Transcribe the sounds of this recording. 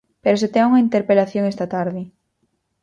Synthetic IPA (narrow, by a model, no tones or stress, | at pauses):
peɾoset̪ɛuŋɐint̪eɾpelaθjoŋɛst̪ɐt̪aɾðɪ